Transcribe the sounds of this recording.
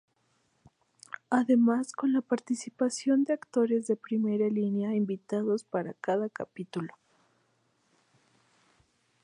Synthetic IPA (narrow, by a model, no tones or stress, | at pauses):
aðe̞masko̞nlapaɾt̪isipasjo̞nd̪eakt̪o̞ɾe̞zðe̞pɾime̞ɾalinjaimbit̪aðo̞spaɾakaðakapit̪ulo̞̥